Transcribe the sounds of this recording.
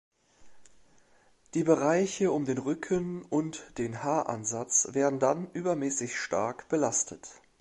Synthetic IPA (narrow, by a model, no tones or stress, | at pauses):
d̥iːbəʁaɪçəʊmdeːnʁʏkʰənʊntd̥eːnhaːɐʔa̰nzat͡sv̥eːɐdn̩danʔyːbɐmɛːsɪçʃta̰ɐkb̥əlastʰət